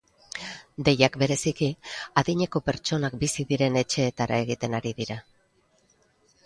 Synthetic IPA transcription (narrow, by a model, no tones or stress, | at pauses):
d̪e̞jakbe̞ɾe̞sikiaðiɲe̞ko̞pe̞ɾt͡ʃo̞nakbisiðiɾe̞ne̞t͡ʃe̞ːt̪aɾa̰e̞ɣ̞it̪e̞naɾiðiɾa